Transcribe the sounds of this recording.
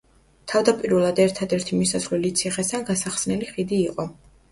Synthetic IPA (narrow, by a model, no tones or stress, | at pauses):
t̪ʰavd̪apʼiɾvɛlˠad̪ɛɾt̪ʰad̪ɛɾt̪ʰimisasʁlɛlit̪sʰiχɛsanɡasaχsnɛliχid̪iːqʼɔ